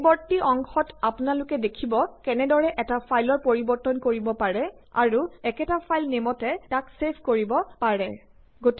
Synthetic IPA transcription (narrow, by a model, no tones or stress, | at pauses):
bɔɹtiʔɔŋxɔtapʊnalʊkɛdekʰibɔkɛnɛdɔɹɛʔɛtapʰajlɔɹpoɹibɔɹtɔnkoɹibɔpaɹɛ | a̰ɹuɛkɛtapʰajlnemɔtɛtaksepʰkoɹibɔpaɹɛ | ɡot